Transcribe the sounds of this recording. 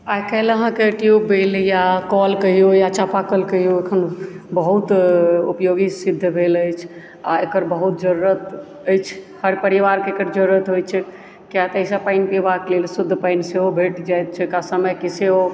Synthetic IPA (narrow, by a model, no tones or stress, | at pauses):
ajkəɦləɦãkeʈjubbeljakɔlkəijojat͡ʃapakəlkəɦijoekʰənbəɦut̪upjoɡisid̪ʱːbʱeləjt͡ʃʰ | a̰ekəɾbəɦut̪̚d͡ʒəɾuɾət̪ | əjt͡ʃʰhəɾpəɾiʋaɾkeːkəɾd͡ʒəɾuɾət̪ɦojt͡ʃʰɛ | kjat̪əjsapaɪnpebaklelsud̪ʱːpaɪnseobʱeʈd͡ʒajt̪̚t͡ʃʰɛkasəməjkeseɦo